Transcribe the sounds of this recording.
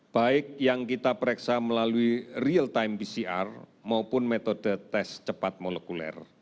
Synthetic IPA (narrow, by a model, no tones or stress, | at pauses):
b̥aɪk̚jaŋkit̪apɾɛksaməlaluirialt̪aimpisiʔa̰rmaupʊnmet̪od̥ə̤t̪ɛst͡ʃəpat̪̚molɛkulɛ̰r